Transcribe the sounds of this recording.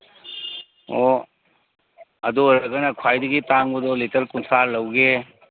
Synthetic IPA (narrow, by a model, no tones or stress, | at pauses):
o | ɐdoɾɐɡɐnɐkʰwajdɐɡitaŋbudɔlitɐɾkunsʰaɾlɐwɡe